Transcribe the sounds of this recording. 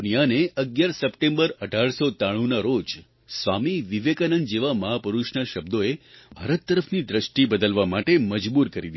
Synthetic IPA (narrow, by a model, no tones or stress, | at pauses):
nijaneəɡjaɾsəpʈẽmbəɾəɖʱaɭsot̪aɽ̃ũnaɾod͡ʒ | sʋamiʋiʋekanənd͡ʒeʋaməɦapəɾuʃnaʃəbd̪oebʱaɾət̪ːəɾəfʰnid̪ɾəʃʈibəd̪əlʋamaʈeməd͡ʒbuɾkəɾid̪i